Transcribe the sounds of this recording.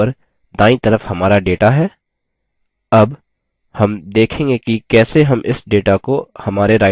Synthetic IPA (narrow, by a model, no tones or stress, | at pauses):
əɾ | d̪ãːĩt̪ɐɾəfhɐmaːɾaɖeːʈaɦɛː | ɐb | hɐmd̪eːkʰẽːŋɡekikɛːseɦɐmɪsɖeːʈakohɐmaːɾeɾaːɪ